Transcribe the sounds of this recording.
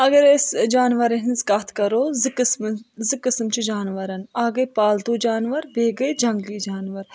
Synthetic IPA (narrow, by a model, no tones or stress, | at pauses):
ɐɡɐɾesd͡ʒaːnʋɐɾeɦɪnzkaːt̪ʰkɐɾoːzikɨsmzikɪsmt͡ʃid͡ʒaːnʋɐɾɐnaːɡɐjpaːld̪oːd͡ʒaːnʋɐɾbʱeːɡɐid͡ʒɐ̃ŋɡliːd͡ʒaːnʋɐɾ